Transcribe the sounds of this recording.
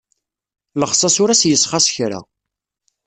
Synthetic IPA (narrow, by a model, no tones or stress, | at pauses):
ləχsˤɑsʊɾæsjəsˤχɑsçɾa̰